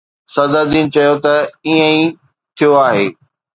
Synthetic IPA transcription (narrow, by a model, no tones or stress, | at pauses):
sɐd̪əd̪iːnt͡ɕɐjot̪ɐiːə̃i | t̪ʰijoaːɦḛː